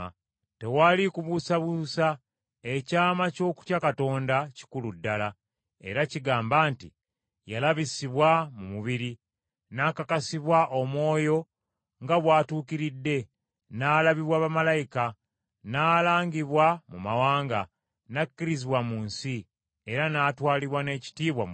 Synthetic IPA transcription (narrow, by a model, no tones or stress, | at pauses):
tewalikuβusaβusa | e̞caːmaco̞ːku̥cakato̞ːndaci̥kuludːala | e̞̰ɾaciɡaːmbaːntḭ | jalaβisiβwamumuβiɾi | nakakasiβwaʔomwo̞ːjo̞ | ŋɡaβwaːtuːkiɾidːe̞ | naːlaβiβwaβamalajika | naːlaːŋɡiβwamumawaːŋɡa | nakːiɾiziβwamuːnsi | e̞ɾanaːtwaːliβwane̞ːci̥tiːβwa